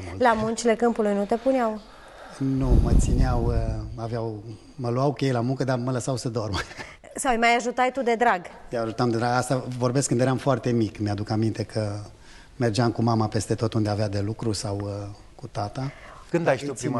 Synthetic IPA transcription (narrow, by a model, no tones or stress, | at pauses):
mullamunt͡ʃile̞kɨmpulujnut̪e̞puneaw | numət̪sineawaveaw | məluawkejlamuŋkəd̪amələsawsəd̪o̞rm | sawjmajaʒut̪ajt̪ud̪e̞d̪ɾaɡt̪eaʒut̪amd̪e̞d̪ɾaɡast̪avo̞rbeskːɨnd̪jeɾamfoart̪e̞mikmead̪ukamint̪e̞kʰə | me̞rd͡ʒeamkumamape̞st̪e̞t̪o̞t̪und̪e̞avead̪e̞lukɾusaw | kut̪at̪a | kɨnd̪ajt̪upɾim